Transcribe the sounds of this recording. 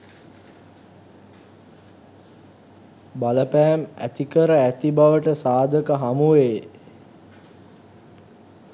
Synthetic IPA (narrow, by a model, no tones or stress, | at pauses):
baləpæːmæ̰t̪ikəɾəæt̪ibaʋəʈəsaːd̪ʱəkəɦamuʋe